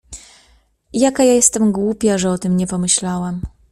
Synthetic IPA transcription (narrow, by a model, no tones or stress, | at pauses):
jakajajɛst̪ɛmɡwupʲjaʐɛɔt̪ɘmɲɛpɔmɘɕlawam